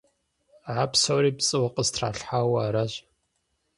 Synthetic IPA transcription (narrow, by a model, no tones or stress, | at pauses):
ʕapsowɾiːpt͡sʼɨwɐqʼəstʰraːɬħaːwaaːɾaʑ